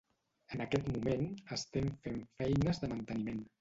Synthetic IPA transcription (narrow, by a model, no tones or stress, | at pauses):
ənəkɛt̪mumenəst̪ɛmfeɱfɛjnəzðəmənt̪ənimen